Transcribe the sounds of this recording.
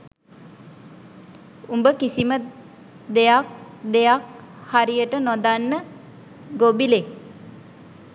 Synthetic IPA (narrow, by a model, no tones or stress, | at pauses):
umbəkisimə | d̪ejak̚d̪ejak̚haɾijəʈənod̪anːə | ɡobile